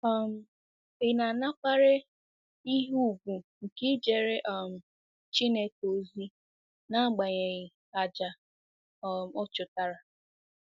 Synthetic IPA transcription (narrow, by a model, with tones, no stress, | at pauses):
ɔ˦m̩˦ | ɪ˨na˨na˦k͡pa˦ɾe˦ | i˦ɦu˦˨ɡʷu˨ŋ̩˨kɪ˦d͡ʒe˨ɾe˦ʔɔ˦˨m̩˨ | t͡ʃi˦ne˦ko˨zi˦ | na˦˨ɡ͡ba˨ɲe˨ɣɪ˨ | a˨d͡ʒa˨˦ | m˨ʊ˦t͡ʃʊ˨ta˦ɾa˨